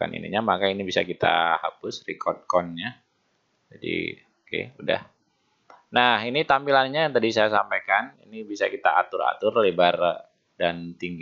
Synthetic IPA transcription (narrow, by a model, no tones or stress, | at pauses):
a̰nḭnḭɲamakainibisa̰kit̪a̰hapʊsrikʰɔrd̚kɔnɲa | d͡ʒadḭ | okḛuda̰h | nahinit̪ampilanɲajt̪adisajasampajkanḭnibisa̰kit̪a̰at̪ʊɾa̰t̪ʊrlebar | dant̪iŋɡi